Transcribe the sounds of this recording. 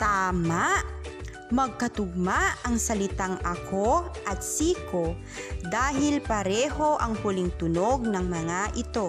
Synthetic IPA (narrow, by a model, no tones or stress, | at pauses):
t̪aːmaʔ | mɐɡ̚kɐt̪ʊɡ̚maʔɐŋsɐlɪt̪aŋʔɐkʰoʔɐt̪̚siːko | d̪aːɦɪlpɐɾɛːho̞ʔɐŋhʊlɪŋt̪ʊno̞ɡ̚nɐŋmɐŋaʔɪt̪o̞